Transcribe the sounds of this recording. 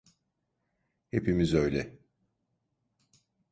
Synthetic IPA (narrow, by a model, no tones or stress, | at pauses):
hepimizø̞jlʲɛ